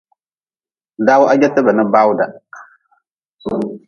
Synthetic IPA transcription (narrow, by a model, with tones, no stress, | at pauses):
da˦wʔa˦ɲɛ˦tɨ˦ba˨nɨ˦ba˦wda˨